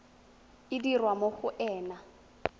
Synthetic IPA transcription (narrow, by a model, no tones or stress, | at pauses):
ɪdirwamoχʊʔɛːna